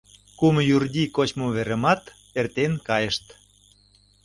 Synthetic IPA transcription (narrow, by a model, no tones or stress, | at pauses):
kumjurd̪ʲikot͡ɕmoβeɾə̆mɑt̪ | ert̪enkɑjə̆ʃt̪